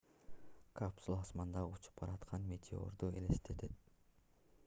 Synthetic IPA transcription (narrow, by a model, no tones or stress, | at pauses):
kapsulˠɑsmɑnd̪ɑut͡ʃu̥p̚qʰɑɾɑt̪qʰɑnmʲe̞t̪ʲʰeo̞̰ɾd̪uḛlest̪ʰet̪ʰet̪̚